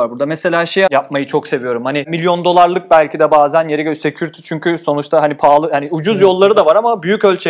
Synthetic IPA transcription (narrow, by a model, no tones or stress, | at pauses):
aɾbuɾd̪amese̞lʲaːʃejjap̚majɯt͡ʃʰo̞kse̞vijo̞ɾumhanɪmilʲjond̪o̞lˠaɾlˠɯk̚bælʲcʰid̪ɛbaːzænjeɾiɟøse̞cʰyɾt̪ʰi̥t͡ʃʰyɲcʰyso̞nut͡ʃt̪ʰaɦanipʰaːlˠɯhaniud͡ʒuzjo̞lˠːaɾɯd̪avaɾamabyjycø̞lʲt͡ʃʰe